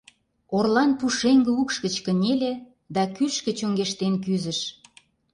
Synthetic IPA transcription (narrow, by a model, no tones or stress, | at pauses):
orlɑnpuʃeŋɡəukʃkə̆t͡ɕkə̆nʲelʲe | d̪ɑkyʃkə̆t͡ɕoŋɡeʃt̪enkyzə̆ʃ